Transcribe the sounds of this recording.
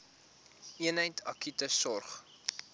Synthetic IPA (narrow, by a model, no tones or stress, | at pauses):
iənɦəjtʰɐkytəsɔrχ